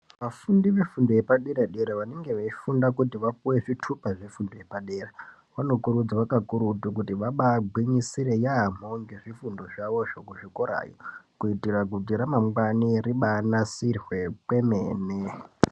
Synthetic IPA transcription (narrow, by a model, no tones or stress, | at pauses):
ʋafundiʋe̞fundojepaɗeɾaɗeɾaʋane̞ŋɡe̞ʋaifundakutiʋapuwe̞ʐitʰupaʐe̞fundoje̞paɗera | ʋano̞kuɾud͡zaʋakakuɾutuk̬utiʋaɓaɡʱwiɲisiɾe̞jaːm̥oŋɡeʐifundo̞ʐaʋo̞ʐokuʐikoɾa̰jokuitirakudiɾamamɡwaniriɓanasirwe̞pwe̞mḛːne